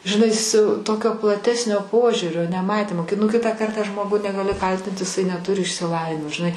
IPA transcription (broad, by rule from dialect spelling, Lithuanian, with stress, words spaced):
ʒʲɪˈnɐɪ sʲʊ ˈtoːkʲoː plˠɐˈtʲæːsʲnʲoː ˈpoːʒʲuːrʲoː nʲɛˈmɑːtʲiːmoː kʲɪ nʊ nʊ ˈkʲɪtɑː ˈkɐrtɑː ˈʒmoːɡʊ nʲɛɡɐˈlʲɪ ˈkɐlʲtʲɪnt ɪˈsɐɪ nʲɛˈtʊrʲɪ ɪʃʲsʲɪˈlˠɑːʋʲɪnʲɪmoː ʒʲɪˈnɐɪ